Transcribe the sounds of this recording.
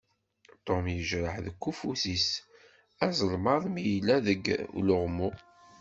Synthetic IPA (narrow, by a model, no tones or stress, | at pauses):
t̪ˤomjəʒɾəħðəkʷːufusis | æzˤəlmɑɾˤmijlːæðəɡlʊʁmu